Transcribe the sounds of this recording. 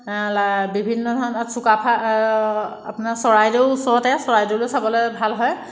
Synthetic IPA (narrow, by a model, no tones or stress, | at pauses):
abibʱinːɔdʱɔɹɔnɔtsukapʰa | apnaɹsɔɹajdeʊusɔɹɔtɛsɔɹajdolojsabɔlɛbʱalɦɔj